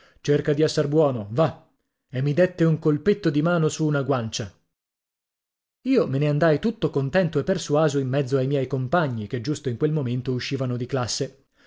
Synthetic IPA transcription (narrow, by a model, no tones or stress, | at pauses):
t͡ʃerkad̪iɛsːarbwɔːnova | emːid̪et̪ːeuŋkolpet̪ːod̪imaːnosuːnaɡwant͡ʃa | iːomeneand̪ajt̪ut̪ːokont̪ɛnt̪oepːersuaːzoimːɛd̪zːoajmjɛjkompaɲːiked͡ʒːust̪oiŋkwelmoment̪ouʃːiːvanod̪iklasːe